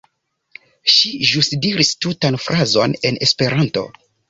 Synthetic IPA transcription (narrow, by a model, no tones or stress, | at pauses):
ʃiʒusdiɾistutanfɾʔazo̞ne̞ne̞spe̞ɾanto̞̰